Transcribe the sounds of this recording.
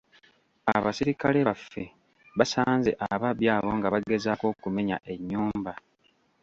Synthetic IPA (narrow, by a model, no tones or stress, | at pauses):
a̰βasiɾikaleβafːe̞ | βasaːnze̞̰ʔaβaβjaːβo̞ŋɡaβaɡezaːko̞ːkume̞ɲaʔe̞ɲːuːmba